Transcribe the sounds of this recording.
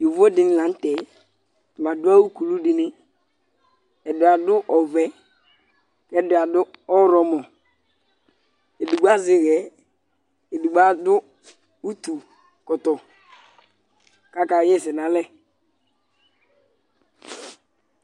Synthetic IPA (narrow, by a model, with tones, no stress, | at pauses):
jo˨vo˦dɪ˨nɪ˦˨lã˨˦n˦tɛ˨ | tu˨ma˨dʊ˦a˦wu˦ku˨lu˦dɪ˨nɪ˦ | ɛ˨dʊ˨a˨dʊ˦ʔɔ˨vɛ˦ | kɛ˦dʊ˨a˨dʊ˦ɔ˦ɾɔ˨mɔ˨ | e˨du˨ɡ͡ba˦zɪ˨ɣɛ˨˦ | e˨du˨ɡ͡ba˦dʊ˦ | u˦tu˨ | kɔ˨tɔ˨ | ka˦ka˨˦ɛ˦˨sɛ˨na˨lɛ˦